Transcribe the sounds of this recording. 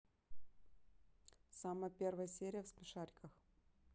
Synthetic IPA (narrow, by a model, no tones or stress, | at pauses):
saməjəpʲervəjəsʲeɾʲɪjəfspʲɪʂaɾʲkəx